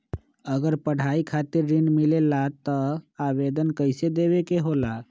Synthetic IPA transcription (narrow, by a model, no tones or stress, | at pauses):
əɡəɾpəɽ̤aikʰat̪iɾːinmilelat̪əabed̪ənkəɪsed̪ebekeɦola